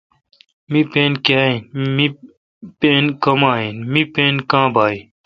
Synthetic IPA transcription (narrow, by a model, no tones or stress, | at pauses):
mipẽːnkaːinmi | peːnkɐmaːinmipeːnkãːbʱaːi